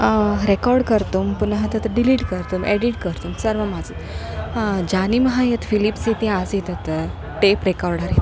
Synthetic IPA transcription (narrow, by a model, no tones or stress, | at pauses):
ɾekɔɾɖkəɾt̪umpunɦat̪ət̪ɖiliːʈkəɾt̪umeɖiʈ̚kəɾt̪umsəɾʋamad͡zət̪ | d͡ʑaniməɦajet̪filipset̪ead͡zjit̪ət̪ | t̪epɾekɔɾɖaɾet̪